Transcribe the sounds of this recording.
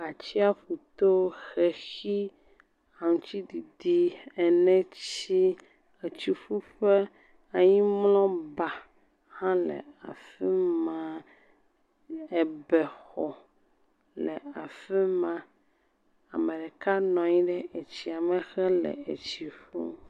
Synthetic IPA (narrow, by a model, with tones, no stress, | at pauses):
a˨t͡ɕi˦a˦ɸu˨t̪o˦xɛ˨xi˦ | a˨ŋũ˨t͡ɕi˦di˨di˦ɛ˨nɛ̃˦t͡ɕi˦ | e˨t͡ɕi˨ɸu˦ɸɛ˦ | a˨ɲĩ˦mlɔ̃˦ba˨ | hã˦lɛ̰˨a˨fɛ˦mã˦ | ɛ˨bɛ˨xɔ˨ | lɛ˨a˨fɛ˦mã˨ | a˨mɛ̃˨ɖɛ˨ka˦nɔ̃˨ɲĩ˦ɖɛ˦ʔe˨t͡ɕi˨a˨mɛ̃˨xɛ˦lɛ̰˨e˨t͡ɕi˨ɸṵ˦